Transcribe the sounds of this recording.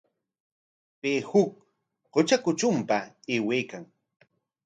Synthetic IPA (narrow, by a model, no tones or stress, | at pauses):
pehʊk̚ | qʊt͡ʃakʊt͡ʃʊmpaeːweːkaŋ